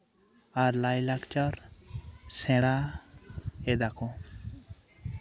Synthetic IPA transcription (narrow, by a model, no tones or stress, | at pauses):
aɾlajlakt͡ʃaɾ | sɛ̃ɽa | ɛd̪akɔ